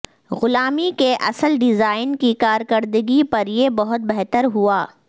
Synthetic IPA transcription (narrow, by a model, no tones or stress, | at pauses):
ɣʊlaːmikeʔɐ̰səlɖɪzaːɪnkikaːɾkəɾd̪əɡipɐɾjebɐɦʊt̪̚bɛɦt̪əɾɦuaː